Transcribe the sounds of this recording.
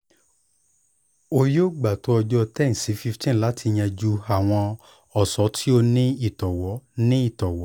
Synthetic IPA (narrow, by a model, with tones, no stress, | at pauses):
o˧jo˦˨ɡ͡ba˨to˨˦ɔ˧d͡ʒɔ˦tɛ˦˨n̩˨si˨˦fi˦ftĩ˦˨la˨˦ti˧j̃ɛ̃˧d͡ʒu˦a˨w̃ɔ̃˧ | ɔ˨sɔ˨˦tʰi˦o˧nĩ˦i˦˨tɔ˨wɔ˨˦nĩ˦i˦˨tɔ˨wɔ˨˦